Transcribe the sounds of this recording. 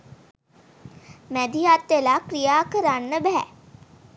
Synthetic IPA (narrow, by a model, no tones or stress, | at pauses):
mɛd̪ijat̪ʋelakɾijaːkəɾanːəbɛɦɛ̰